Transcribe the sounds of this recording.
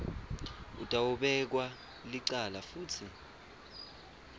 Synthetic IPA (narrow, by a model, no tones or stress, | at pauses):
ud̥ʱʼawuɓɛk̬wa | liǀalafuːtʰi